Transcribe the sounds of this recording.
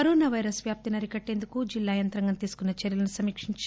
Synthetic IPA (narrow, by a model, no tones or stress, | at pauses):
ɐɾoːnaːʋɐjɾɐsʋjaːp̚t̪inɐɾikɐʈːe̞ːnd̪ukud͡ʒilːaːjɐnt̪ɾɐŋɡɐnt̪iːsu̥kunːɐt͡ʃɐɾjɐlɐnusɐmiːkʂiɲt͡ʃ